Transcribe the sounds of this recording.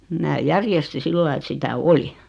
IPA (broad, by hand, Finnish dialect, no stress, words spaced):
mæː jærjesti silːɑi et sitæ oli